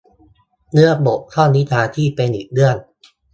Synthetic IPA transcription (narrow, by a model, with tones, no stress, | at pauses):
nɯ˦˥ɐəbo˨˩k̚t̪ʰɔː˥˩nnːi˦˥t̪ʰaː˧t̪ʰiː˥˩pe˧nʔiː˨˩k̚dɯ˥˩ən